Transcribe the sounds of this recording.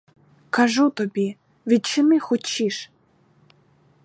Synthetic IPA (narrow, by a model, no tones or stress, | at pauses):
kaʒut̪ɔbʲi | ʋʲid̪̚t͡ʃɪnɪxʊt͡ʃːiʃ